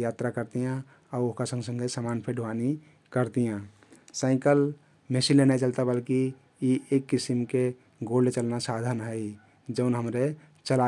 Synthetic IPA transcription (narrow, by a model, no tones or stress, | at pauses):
jat̪ɾakəɾt̪ijã | auoɦkasə̃ŋɡsə̃ŋɡesamanpʰeɖʱuani | kəɾt̪ijã | saɪ̃kəl | mesilenajt͡ʃəlt̪abəlkiː | ekːisimke | ɡolːet͡ʃəlnasad̪ʱənɦəɪ | d͡ʒəʊnɦəmɾe | t͡ʃəla